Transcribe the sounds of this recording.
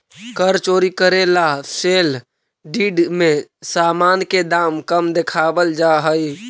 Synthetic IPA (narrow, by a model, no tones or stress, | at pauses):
kəɾt͡ʃoːɾikəɾelaseːl | ɖiːɖmẽsaːmaːnked̪aːmkəmd̪ekʰaːbəld͡ʒaɦəi